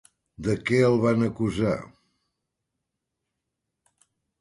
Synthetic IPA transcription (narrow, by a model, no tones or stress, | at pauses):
d̪əkɛəlˠβanəkuza̰